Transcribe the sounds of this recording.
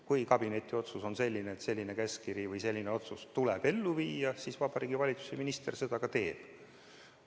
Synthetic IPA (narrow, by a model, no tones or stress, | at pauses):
kujkɑb̥ine̞t̪ʲːˑio̞t̪suso̞nse̞lʲːineːt̪se̞lʲːine̞keskiɾivɯjse̞lʲːineo̞t̪sust̪ulɛb̥e̞lːuviːjɑsisvɑb̥ɑɾiːɡivɑlʲit̪su̥seminist̪e̞rse̞d̪̥ɑkɑt̪e̞ːb̥